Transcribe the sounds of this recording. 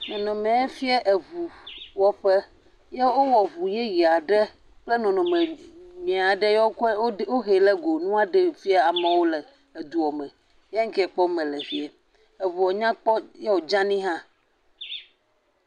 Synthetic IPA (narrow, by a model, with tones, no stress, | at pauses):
nɔ̃˨nɔ̃˨mẽ˨e˦fi˦ɛ˦ʔe˨vu˨wɔ˦ɸɛ˦ | je˦wo˦wɔ˨vu˨je˦ji˨a˨ɖɛ˦ | k͡ple˦nɔ̃˨nɔ̃˨mẽ˨mĩ˨a˨ɖe˦je˦wo˦kwo˦ɦe˨lɛ˦ɡo˨nũ˦a˨ɖe˨fi˦a˦a˨mɛ̃˨wo˦le˨ | e˨d̪u˨wɔ˨mɛ̃˨ | je˦ŋ̩˦kɛ˦˨ɛ˨k͡pɔ˦mɛ̃˨le˨fi˦e˨ | e˨vu˨wɔ˨ɲã˦k͡pɔ˦je˦wo˨d͡ʒã˦nĩ˦ɦã˦